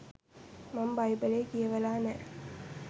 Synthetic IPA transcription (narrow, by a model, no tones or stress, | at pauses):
mambajbəleːkijeʋəlaːnɛ